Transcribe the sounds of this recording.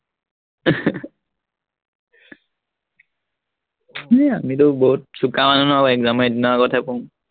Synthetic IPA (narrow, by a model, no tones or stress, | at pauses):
ɛamitʊbɔɦut̚sukamanɔnɔaɛkzamadinɔaɡɔtʰapɔ̃